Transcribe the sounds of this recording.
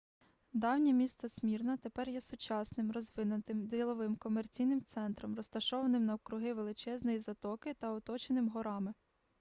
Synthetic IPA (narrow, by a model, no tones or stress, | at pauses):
d̪ɑwnʲɛmʲist̪ɔsʲmʲirnɐt̪epɛrjɛsʊt͡ʃɑsnɪmrɔzʋɪnʊt̪ɪmd̪ɾʲilˠɔʋɪmkɔmert͡sʲijnɪmt̪sɛnt̪ɾɔmɾɔst̪ɐʃɔʋɐnɪmnɐkɾʊɦɪʋelˠɪt͡ʃɛznɔjizɐt̪ɔkɪt̪ɐɔt̪ɔt͡ʃenɪmɦɔɾɑmɪ